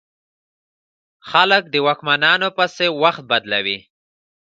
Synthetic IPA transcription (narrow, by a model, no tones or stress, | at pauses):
xalək̚d̪əwɑkmanɑnopasewaxt̪̚bad̪lawi